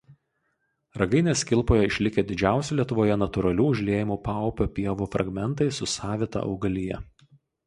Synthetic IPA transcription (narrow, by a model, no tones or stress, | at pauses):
ɾɐɡɐɪnʲeːsʲkʲɪlˠˑpoːjɛɪʃʲlʲɪkʲeːd̪ʲɪd͡ʒʲæˑʊsʲɛlʲiɛt̪ʊʋoːjɛnɐt̪ʊɾɐlʲuːʊʒʲlʲeːjɪmuːpɑˑʊpʲoːpʲiɛʋuːfɾʔɐ̰ɡmʲɛnt̪ɐɪsʊsɑːʋʲɪt̪ɑ̰ʔɒ̰ʊɡɐlʲɪjɛ̰